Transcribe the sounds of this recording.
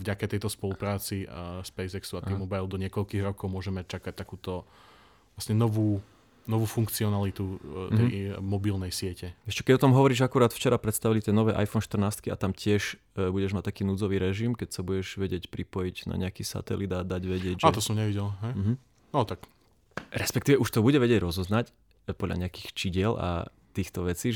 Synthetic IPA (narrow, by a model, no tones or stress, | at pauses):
vɟakat̪ɛjt̪ɔspɔlupɾaːt͡sispɛjzɛksuat̪iːmɔbajlˠd̪ɔɲɪɛkɔʎkiːɣɾɔkɔʊmʊɔʒɛmac̚t͡ʃakac̚t̪akuːt̪ɔ | lasɲɛnɔʋuː | nɔʋuːfuŋkt͡siɔnalit̪ut̪ɛmɔbilnɛjsɪɛcɛɛʃcɛ̥kɛɟɔt̪ɔmɦɔʋɔɾiːʒakuɾaːt̪ft͡ʃɛɾapɾɛt̪st̪aʋilit̪ɪɛnɔʋɛːʔa̰jfɔnʃt̪rnaːst̪̚kia̰t̪amcɪɛʒ | buɟɛʒmac̚t̪akiːnuːd͡zɔʋiːɾɛʒimkɛcsabuɟɛʒʋɛɟɪɛcpɾipɔjiɟna̰ɲɛakiːsa̰t̪ɛ̰lid̪ad̪aɟʋɛɟɪɛɟatt̪ɔsɔmɲɛʋiɟɛlɦɛjm̩ːɦ̩ | nɔt̪ak | ɾɛspɛkt̪iːʋɛuʃt̪ɔbuɟɛʋɛɟɛɟɾɔzɔznac | pɔd̪lʎa̰ɲɛaki̥xt͡ʃiɟɪɛla̰ | t̪iːxt̪ɔʋɛt͡siː